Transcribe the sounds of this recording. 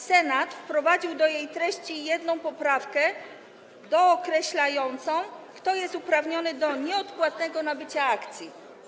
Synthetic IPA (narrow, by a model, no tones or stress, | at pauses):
sɛnat̪fpɾɔvad͡ʑiwd̪ɔjejt̪ɾɛɕt͡ɕijɛd̪nɔ̃w̃pɔpɾafkɛ | d̪ɔːkɾɛɕlajɔnt̪sɔ̃w̃kt̪ɔjɛst̪upɾavɲɔnɘd̪ɔɲɛɔt̪pwat̪nɛɡɔnabɘt͡ɕaakt̪sʲji